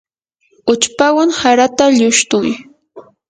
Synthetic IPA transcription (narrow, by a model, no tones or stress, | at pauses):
ʊt͡ʃpawaŋhaɾat̪aʎʊʃt̪ʊj